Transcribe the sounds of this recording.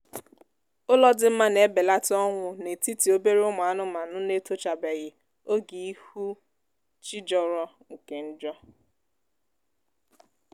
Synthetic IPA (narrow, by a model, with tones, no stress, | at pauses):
ʊ˦lɔ˦dɪ˦m̩˦ma˦ne˨˦be˨la˦tɪ˦ɔ˦ŋʷʊ˨ne˨ti˦ti˨o˦be˦ɾe˦ʊ˦ma˨a˦nʊ˦ma˨nʊ˦ne˦to˦t͡ʃa˨be˨ɣɪ˨ | o˦ɡi˨i˦hu˦ | t͡ʃi˦d͡ʒɔ˨ɾɔ˦ | ŋ̩˨ke˨n̩˦d͡ʒɔ˦